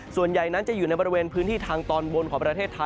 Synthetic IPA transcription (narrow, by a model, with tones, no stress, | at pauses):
su˨˩ənja˨˩jna˦˥nt͡ɕa˨˩ʔjuː˨˩na˧jbɔ˧ɾi˧weː˧npʰɯː˦˥nt̪ʰiː˥˩t̪ʰaː˧ŋt̪ɔː˧nwo˧nkʰɔː˩˦ŋpɾa˧t̪ʰeː˥˩t̪ʰːa˧